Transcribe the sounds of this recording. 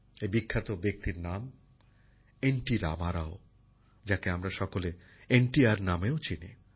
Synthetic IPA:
ebikʰːat̪obek̚t̪iɾnam | enʈiɾa̰maɾao | d͡ʑakeamɾaʃɔkole | enʈiaɾnameot͡ɕinḭ

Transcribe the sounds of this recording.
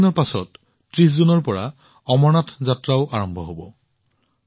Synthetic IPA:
nɔɹpasɔ̰t | tɹiszunɔɹpɔɹa̰ | ɔmɔnatʰzatɹaʊʔaɹɔmbʱɔɦobɔ

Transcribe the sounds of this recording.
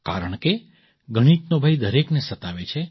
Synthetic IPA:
ka̰ɾəɳ̃ke | ɡəɽ̃iʈnobʱajd̪əɾeknesət̪aʋet͡ʃʰe

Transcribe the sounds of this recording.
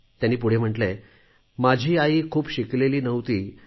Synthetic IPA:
t̪janːiːpuɽ̤em̤əʈle | mad͡ʑʱiːaiːkʰuːpɕikleliːnəʋt̪iː

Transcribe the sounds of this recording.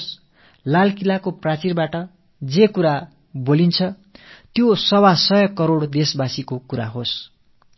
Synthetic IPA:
s | lalkilakoprat͡sirbaʈʌ | d͡zekuɾa | bolint͡sʰʌ | t̪josʌwasʌjʌkʌɾoɽd̪esbasikokuɾaɦos

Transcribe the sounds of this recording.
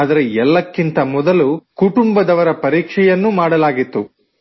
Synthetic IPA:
d̪ɐɾeɛlːɐkːint̪ɐmɔd̪ɐlukuʈumbɐd̪ɐʋɐɾɐpɐɾiːkʂɛjɐnːumaːɽɐlaːɡit̪ːu

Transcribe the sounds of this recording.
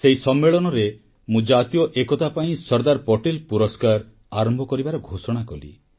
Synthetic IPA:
seisɔmːeɭɔnɔɾe | mũd͡ʒat̪ijɔʔekɔt̪apaĩsɔɾd̪aɾpɔʈilpuɾɔskaɾ | aɾɔmbʱɔkɔɾibaɾɔɡʱosɔɽ̃akɔlḭ

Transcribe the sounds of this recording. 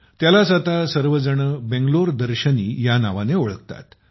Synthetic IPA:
t̪jalasət̪asəɾʋəd͡zəɳəbẽŋɡloɾd̪əɾɕəniːjanaʋaneoɭəkt̪a̰t̪

